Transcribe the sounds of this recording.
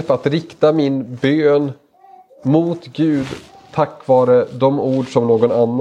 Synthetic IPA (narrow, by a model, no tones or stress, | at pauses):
fat̪ɾɪkt̪amɪnbøːn | muːt̪ɡʉ̟ːd̪ | t̪ʰakːvɑːɾəd̪ɔmuːɖʂɔmnoːɡɔnanː